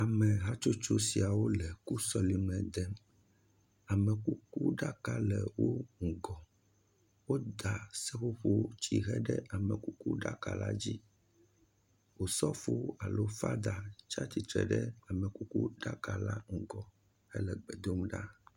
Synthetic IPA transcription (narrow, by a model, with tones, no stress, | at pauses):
a˨mɛ̃˨ɦa˦t͡ʃo˦t͡ʃo˦si˨a˨wo˦lɛ˨ku˦sɔ˦li˨nɛ̃˨d̪ɛ˦m | a˨mɛ̃˨ku˦ku˦ɖa˦ka˦lɛ˨wo˦ŋ̩˨ɡɔ˨ | wo˦d̪a˨sɛ˦ɸo˦ɸo˦t͡ɕi˨ɦɛ˦ɖɛ˦a˨mɛ˨ku˦ku˦ɖa˦ka̰˨la̰˦d͡ʑi˦ | wo˨sɔ˦ɸo˦a˨lo˦fa˦d̪a˨t͡ʃa˦t͡ɕi˨t̪ɾɛ̰˨ɖɛ˦a˨mɛ˨ku˦ku˦ɖa˦ka˨la˦ŋ̩˨ɡɔ˨ | hɛ˦lɛ˨ɡ͡bɛ˨d̪o˦mɖa̰˦